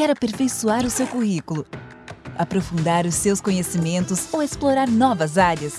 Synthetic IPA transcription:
kɛɾɐpeɾfejsuaɾʊsewkuhikulʊ | apɾofũnd̪aɾʊsːewskõɲesimẽnt̪ʊzowesploɾaɾnɔvɐzaɾjɐs

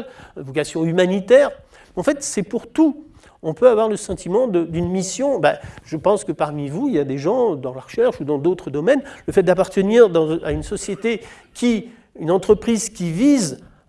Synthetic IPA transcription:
vɔkasjɔ̃ymanit̪ɛːʁ | ɑ̃fɛt̪sɛpuʁt̪u | ɔ̃pøavwaʁləsɑ̃t̪ʰimɑ̃d̪əd̪ynmisjɔ̃baʒ̥əpɑ̃skəpaʁmivuiljad̪eʒɑ̃d̪ɑ̃laʁəʃɛʁʃud̪ɑ̃d̪ot̪χəd̪ɔmɛnləfɛt̪̚d̪apaʁt̪əniʁd̪ɑ̃a̰ynsɔsjet̪e | kʲi | ynɑ̃t̪χəpχizkʲiviz

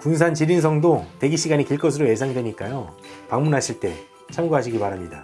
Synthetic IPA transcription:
kuns̬ʰant͡ɕiɾins̬ʰʌŋdote̞ɡiɕʰiɡaɲikiɭk͈ʌs̬ʰɯɾoje̞s̬ʰaŋdwe̞ɲik͈ajo | paŋmunɦaɕʰiɭt͈e̞ | t͡ɕʰamɡoɦaɕ̬ʰiɡipaɾɦamɲida̰

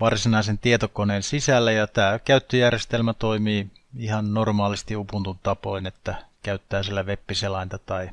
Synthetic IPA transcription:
ʋɑrsinɑisent̪iet̪okoneːnsisælːæjɑt̪æːkæyt̪ːøjærjest̪elmæt̪oimiː | ihɑnnormɑːlist̪iupunt̪unt̪ɑpoinet̪ːækæyt̪ːæːsielːæʋepːiselɑint̪ɑt̪ɑi

